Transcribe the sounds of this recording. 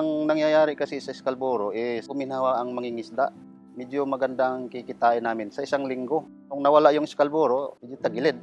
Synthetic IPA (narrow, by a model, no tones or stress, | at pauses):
ɐŋnɐŋjajaːɾɪkɐsɪsɐɪskalboɾoʔɛsʊmɪnaːwaʔɐŋmɐŋɪŋɪsd̪a̰ʔ | mɛdomɐɡɐnd̪aʔaŋkikɪt̪aːʔɪnaːmɪnsɐɪsaŋlɪŋɡo | kʊŋnɐwɐlaʔjʊŋɪskalboːɾomɪd͡ʒjot̪ɐɡɪlɛd̪̚